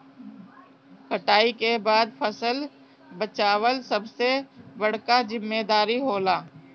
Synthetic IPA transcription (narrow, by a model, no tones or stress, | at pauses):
kəʈaːikebaːd̪pʰəsəl | bət͡ʃaːwəlsəbsebəɽ̤kazɪmːed̪aːɾiɦoːlaː